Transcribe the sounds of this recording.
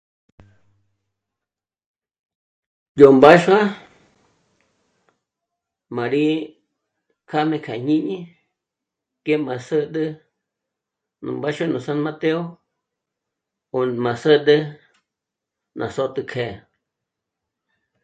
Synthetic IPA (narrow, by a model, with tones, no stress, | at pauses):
jo˨mba˦ʃa˦ | mã˨ɾi˦ | kʰa˦mẽ˧kʰa˨ɲĩ˦ɲĩ˦ | ke˦mã˨sə˦d̪ə˦ | nṵ̃˨mba˦ʃa˦nũ˨sa˦nma˦t̪e˦o˦ | o˨mã˨sə˦d̪ə˦ | nʔã̰˨so˦t̪ɨ˧kʰe˨